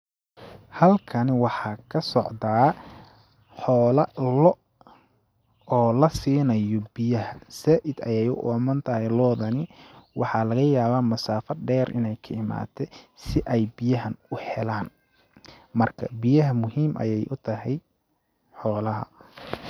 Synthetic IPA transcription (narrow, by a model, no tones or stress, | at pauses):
hɐlkʰɐnwɑħɑːkʰɐsɔʕd̪aː | ħɔːlɐlɔ | ɔːlɐsiːnɐjɔbɪjɐɦɐsaːʔɪd̪ɐjɛjʊ̰ʔɔːmɐnt̪ʰɐhɛjlɔːðɐnɪwʔɑħɑlɐɣɐjaːβaːmɐsaːfɐɖɛːrʔɪ̰nɛjkʰɐɪma̰ːt̪ʰɛsɪʔɛjbɪjɐɦɐnʊhɛlaːn | mɐrkʰɐ̰bɪjɐɦɐmʊɦiːmʔɐ̰jɛjʔʊt̪ʰɐɦɛj | ħɔːlɐɦɐ̰